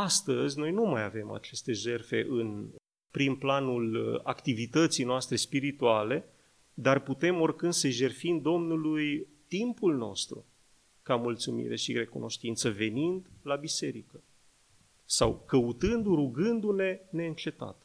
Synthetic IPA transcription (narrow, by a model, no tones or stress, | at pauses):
ast̪əzʲno̞jnumajave̞ma̰t͡ʃe̞st̪e̞ʒe̞rfe̞̰ʔɨn | pɾinplanula̰kt̪ivit̪ət̪sijnoast̪ɾe̞spiɾit̪uale̞ | d̪arput̪e̞mo̞rkɨnd̪̥səʒe̞rfimd̪o̞mnuluj | t̪impulno̞̰st̪ɾṵ | kamult̪sumḭɾe̞ʃire̞kṵno̞ʃt̪int̪səve̞nind̪labise̞ɾikə | sawkəut̪ɨnd̪uɾuɡɨnd̪une̞ne̞ɨnt͡ʃe̞t̪a̰t̪